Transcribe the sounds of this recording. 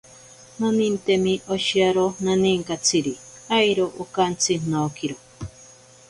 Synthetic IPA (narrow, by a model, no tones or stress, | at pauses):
nanint̪emiʔoʃiaɾonaniŋkat͡sʰiɾiajɾoʔokant͡sʰin̥okiɾo